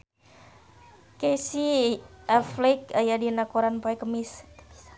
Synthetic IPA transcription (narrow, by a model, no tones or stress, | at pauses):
kesiaflikajadinakuɾanpaɛkəmis